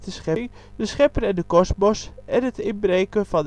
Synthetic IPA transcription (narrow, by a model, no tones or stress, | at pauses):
təsχɛŋ | dəsχɛpərɛndəkɔsmɔsɛnətɪnbreːkəfɑn